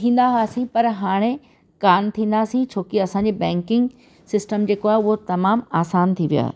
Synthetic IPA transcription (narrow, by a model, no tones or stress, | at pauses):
t̪ʰĩːn̆d̪aɦaːsĩpɐɾɦaːɽ̃e | kaːnt̪ʰĩːn̆d̪aːsĩt͡ɕʰoːkiɐsãːɲd͡ʑiːbɛ̃ːŋkɪ̃ŋɡ | sɪsʈəmd͡ʑeːkoaːɦeʊɦot̪ɐmaːmaːsaːnt̪ʰiʋija̰ːɦḛ